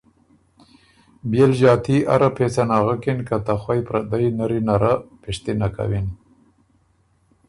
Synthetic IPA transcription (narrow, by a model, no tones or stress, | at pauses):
bjelʒɑːt̪ʰia̰ɾapʰesanaːɣakinkat̪axwajpɾad̪ajnaɾinaɾapeʂt̪inaka̰win